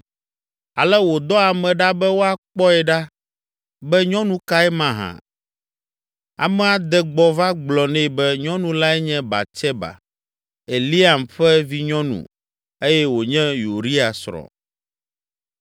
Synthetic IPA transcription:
a̰˨lɛ˦wo˨d̪ɔ˦a˨mɛ̃˨ɖa˦bɛ˦wo˦a˨k͡pɔ˦ɛ˨ɖa˦ | bɛ˦ɲɔ̃˦nũ˦ka˦ɛ˦mã˨ɦã̰˨ | a̰˨mɛ˦a˨d̪ɛ˨ɡ͡bɔ˦va˦ɡ͡blɔ˨nɛ̃˦˨bɛ˦ɲɔ̃˦nũ˦la˦ɛ˦ɲɛ̃˦ba̰˨t͡ʃɛ˦ba̰˨ | e˨li˦a˨mɸɛ˦vi˦ɲɔ̃˦nṵ̃˨ | e˦jɛ˦wo˨ɲɛ̃˦ju˨ɾi˦a˨sɾɔ̰˨

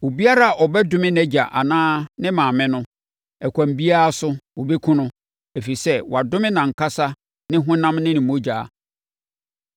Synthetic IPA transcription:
o˨bi˦a˦ɾa˦˨ʔɔ˨bɛ˦dʊ̃˦mɪ̃˦nɛ̃˦d͡ʑa˨ʔa̰˨nãː˦nɪ̃˦mãː˨mɪ̃˦nʊ̃˦ | ɛ˨kʷʰã˨m˨bi˦a˦a˦sʊ˦wo˨be˦kʰʊ̃˦nʊ̃˦ | e˨fi˨i˨sɛ˦wʔa˨dʊ̃˦mɪ̃˦nã˨ŋ̩˨kʰa˦sa˦ | nɪ̃˦ɦʊ̃˦nã˦mnɪ̃˦nɪ̃˨mo˦d͡ʑaː˨a˨

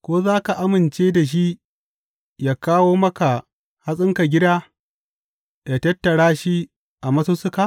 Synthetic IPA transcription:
kʷoː˦zaː˦ka˨ʔa˦mɪ˨nt͡ʃeː˦da˨ʃ̬i˦ | jaː˦kaː˦woː˦mɐ˦ka˨ | ha˦sʼɪ˦ŋka˨ɡʲɪ˦daː˦ | ja˨tɐ˦tːɐ˨ɽaː˦ʃi˦ | ʔa˨mɐ˦sʊ˦sʊ˦ka˦˨ʔ

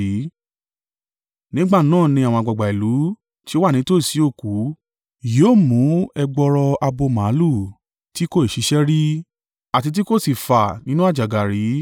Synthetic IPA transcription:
i˨˦ | nĩ˦ɡ͡ba˦˨nãː˦˨nĩ˧a˨w̃ɔ̃˧˨ɡ͡ba˨ɡ͡ba˨i˨lu˨˦ | ti˦o˦wa˦˨nĩ˨˦to˦i˨si˨˦o˦˨ku˨˦ | joː˦˨mũ˨˦ɛ˧ɡ͡bɔ˧ɾɔ˧a˧bo˧mã˨˦lu˦˨ | ti˦ko˦i˨ʃi˨˦ʃɛ˦ɾi˦ | a˨t̬i˧t̬i˦ko˦˨si˨fa˨nĩ˦nũ˦a˦˨d͡ʒa˨ɡa˨ɾi˨˦

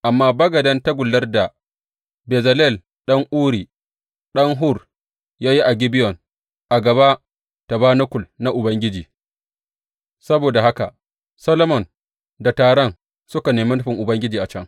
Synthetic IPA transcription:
ʔa˨mːaː˦bɐ˦ɡɐ˨dɐ˦nta˦ɡʷʊ˨lːɐ˦rda˨ | bɛː˨zɐ˨lɛ˦˨l | ɗɐ˦ŋʔuː˦ɾiː˨ | ɗɐ˦ŋɦʊ˦˨r | jaː˦ji˦ʔa˨ɡʲɪ˦bɪ˦jɔ˨n | ʔa˨ɡɐ˨βa˦ | ta˨baː˦nʊ˦kʷʊ˨lna˦ʔʊ˨bɐ˦ŋɡʲɪ˦d͡ʒiː˨ | sɐ˦boː˨da˨ha˦ka˨ʔ | sɐ˦lo˦mɔ˨n | da˨taː˨ɽɔ˦n | sʊ˦ka˨neː˨ma˦nʊ˦ɸɪ˨ŋʔʊ˨bɐ˦ŋɡʲɪ˦d͡ʒiː˨ʔa˨t͡ʃɐ˦ŋ

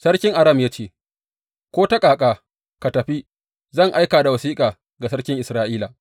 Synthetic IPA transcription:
sɐ˦rkʲɪ˦ŋʔa˨ɾɐ˦˨mjaː˦t͡ʃeː˦˨ | kʷoː˦tɐ˦kʼaː˨kʼaː˨ | ka˨tɐ˨ɸi˦ | zɐ˦˨ŋʔa˦jkaː˨da˨wɐ˨siː˦kʼaː˨ | ɡa˨sɐ˦ɽkʲɪ˦ŋʔɪ˨sɾaː˦ʔiː˦la˨

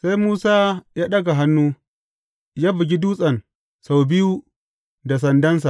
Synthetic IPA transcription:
sa˦jmuː˦saː˦jaː˦ɗɐ˦ɡa˨ɦa˦nːuː˦ | jaː˦bʊ˨ɡʲi˦duː˦sʼɐ˨n | sa˨wbɪ˦ju˦ | da˨s̬ɐ˨ndɐ˦ns̬a˨

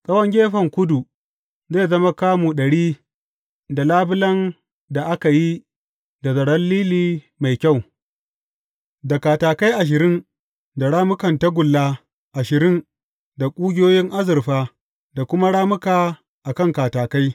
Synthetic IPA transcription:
sʼɐ˦wɐ˦ŋɡʲeː˦ɸɐ˨ŋkʷʊ˦du˨ | zeː˦˨zɐ˦ma˦kaː˦mu˨ɗɐ˨ɽiː˦ | da˨laː˦bɪ˦lɐ˦n | da˨ʔa˦ka˨ji˦ | da˨zɐ˨ɽɐ˦nlːiː˦liː˨ | ma˨jkʲa˦˨w | da˨kaː˨taː˨ka˦jʔa˨ʃ̬ɪ˨ɾɪ˦n | da˨ɽaː˦mʊ˦kɐ˨nta˦ɡʷʊ˨lːaː˦ | ʔa˨ʃɪ˨ɾɪ˦n | da˨kʷʼuː˦ɡʲɪ˦joː˦jɪ˦ŋʔa˦zɪ˨rɸaː˦ | da˨kʷʊ˦ma˦ɽaː˦mʊ˦kaː˨ | ʔa˨kɐ˦˨ŋkaː˨taː˨ka˦j

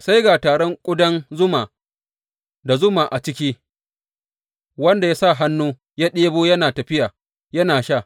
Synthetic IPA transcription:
sa˦jɡaː˨taː˨ɽɔ˦ŋkʷʼʊ˦dɐ˦nzʊ˦maː˨ | da˨zʊ˦maː˨ʔa˨t͡ʃɪ˦kʲiː˦ | wɐ˦nda˨jaː˦sa˦˨ɦa˦nːuː˦ | jaː˦ɗeː˦boː˦jɐ˦naː˨tɐ˨ɸɪ˦jaː˨ | jɐ˦naː˨ʃa˦˨

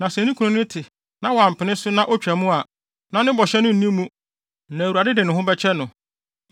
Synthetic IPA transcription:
nã˨sɛ˨nĩ˦kʰũ˨ʊ̃˦nɪ̃˦tʰɪ˨ | nã˦wɔ˨a˨m̩˨pʰɪ˨nɪ̃˦sʊ˦nã˦ʔɔ˦t͡ɕᶣa˨mũ˦a˨ | nã˦nɪ̃˦bɔ˨ɕɛ˦nʊ̃˦n̩˨nĩ˦mũ˦ | nã˨wu˨a˨dɪ˦dɪ˨nʊ̃˨ɦʊ̃˦bɛ˦t͡ɕʰɛ˦nʊ̃˨

